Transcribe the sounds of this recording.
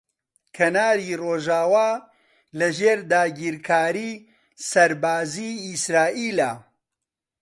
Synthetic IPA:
kʰɐnaːɾiːroːʒaːwaː | lɐʒeːɾd̪aːɡiːɾkʰaːɾiː | sɐɾbaːziːsɾaːʔiːlaː

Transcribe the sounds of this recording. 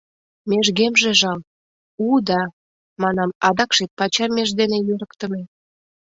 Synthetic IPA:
meʒɣemʒeʒɑl | ud̪ɑ | mɑnɑmɑd̪ɑkʃet̪̚pɑt͡ɕɑmeʒd̪enejøɾəkt̪ə̆me

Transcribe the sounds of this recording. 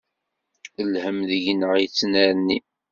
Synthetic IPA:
əlhəmðəʝnəʁit͡sːnəɾənːi

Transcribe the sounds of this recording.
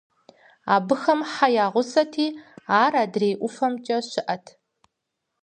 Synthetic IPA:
aːbɨxɐmħajaːʁʷʊsɐtʰiːaːraːdreːʔʷʊfɐmt͡ʃʼɐʃɪʔɐtʰ

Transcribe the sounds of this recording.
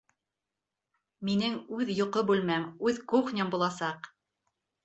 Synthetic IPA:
minɘŋʉðjŏqobʉlmæmʉðkuχnʲɤmbulˠɑsɑq

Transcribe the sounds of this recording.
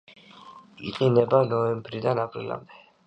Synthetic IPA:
ḭqʼinɛbanɔɛmbɾid̪anapʼɾḭla̰md̪ɛ̥

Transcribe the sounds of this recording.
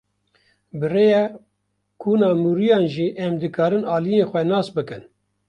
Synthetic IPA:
bɨrejɛ | kʰuːnɑːmuːɾijɑːnʒiːʔɛmd̪ɨkɑːɾɨnɑːlijeːnxʷɛnɑːsbɨkɨn

